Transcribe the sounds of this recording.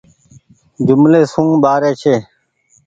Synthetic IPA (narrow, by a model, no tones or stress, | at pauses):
d͡ʒʊmleːsũːɓaːɾeːt͡ʃʰeː